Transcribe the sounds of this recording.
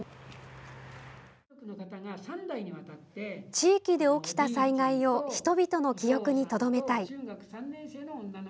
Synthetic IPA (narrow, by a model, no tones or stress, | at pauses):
okɯ̟nokat̪aɡasãnd̪aiɲ̟iβat̪at̪ːe̞t͡ɕiːkʲid̪e̞o̞kʲi̥t̪asaiŋaio̞çi̥t̪o̞bʲit̪o̞no̞kʲijo̞kɯ̟ɲ̟it̪o̞d̪o̞me̞t̪aiːɡakɯ̟̥sãnːẽse̞ːnoõnːano